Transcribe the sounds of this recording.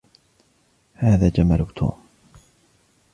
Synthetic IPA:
haːðaːd͡ʒamalʊt̪ʰṵːm

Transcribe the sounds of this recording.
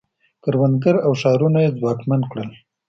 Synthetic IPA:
kəɾwanɡ̪əɾawʃɑɾunajezwɑkmankɽəl

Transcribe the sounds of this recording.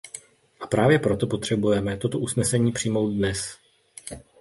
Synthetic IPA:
ʔḁpɾaːvjɛpɾo̞t̪o̞po̞t̪r̝̥ɛbujɛmɛt̪o̞t̪o̞ʔusnɛsɛɲiːpr̥iːmo̞wt̪̚dnɛs

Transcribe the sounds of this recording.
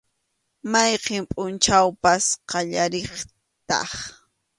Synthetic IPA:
majqempʼʊnt͡ʃawpasqɑʎaɾeχ | t̪ɑ̰χ

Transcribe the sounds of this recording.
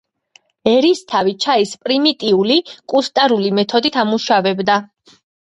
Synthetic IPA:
ɛɾist̪ʰavit͡ʃʰaispʼɾimit̪ʼiulikʼust̪ʼaɾulimɛt̪ʰɔd̪it̪ʰamuʃavɛbd̪a

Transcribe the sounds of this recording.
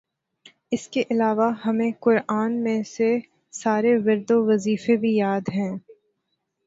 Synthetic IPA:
ɪskeʔɪlaːʋaɦɐmẽkʊɾaːnmẽse | saːɾeʋɐɾd̪oʋɐziːfebʱijaːd̪ɦɛ̃ː

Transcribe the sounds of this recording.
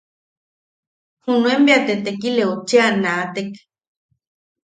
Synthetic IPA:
hunuembeat̪et̪ekileot͡ʃeanat̪ek

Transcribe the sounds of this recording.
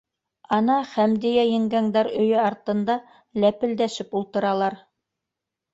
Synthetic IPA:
ɑnɑχæmd̪ĭjæjɘ̆ŋɡæŋd̪æɾɵ̆jɵɑɾt̪ɤ̆nd̪ɑ | læpɘ̆ld̪æʃɘpulˠt̪ɤ̆ɾɑlˠɑɾ

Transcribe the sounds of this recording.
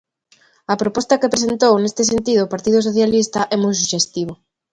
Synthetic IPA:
ɐpɾopɔst̪ɐkepɾesent̪ownest̪ɪs̬ent̪iðʊːpaɾt̪ið̞ʊsoθjalist̪ɐʔɛmojs̬uʃest̪iβ̞o

